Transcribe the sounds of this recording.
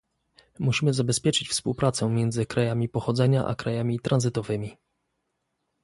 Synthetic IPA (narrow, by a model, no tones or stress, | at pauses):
muɕimɘzabɛspʲjɛt͡ʂɘt͡ɕfspuwpɾat̪sɛmʲjɛnd̪zɘkɾajamʲipɔxɔd̪zɛɲaʔa̰kɾajamʲit̪ɾʔanzɘt̪ɔvɘmʲi